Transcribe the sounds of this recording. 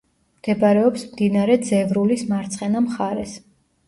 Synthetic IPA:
mɡ̪̥ɛbaɾɛɔpsmd̪inaɾɛd̪zɛvɾulismaɾt̪sʼχʼɛnamχaɾɛs

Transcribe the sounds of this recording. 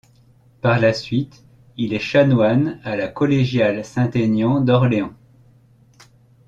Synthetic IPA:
paʁlasɥit̪ | ilɛʃanwanalakɔleʒjalsɛ̃t̪enjɑ̃d̪ɔʁleɑ̃

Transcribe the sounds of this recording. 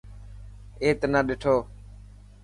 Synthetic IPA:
eːt̪naːɗɪʈʰoː

